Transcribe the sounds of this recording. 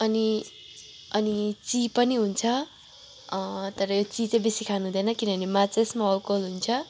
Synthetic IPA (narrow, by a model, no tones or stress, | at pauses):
ʌni | ʌnit͡sipʌniɦunt͡sʰʌ | t̪ʌɾʌjot͡sit͡sʌ̃bisikʰanuɦũd̪ʌnʌkinʌnimat͡sesmaʌlkolɦunt͡sʰʌ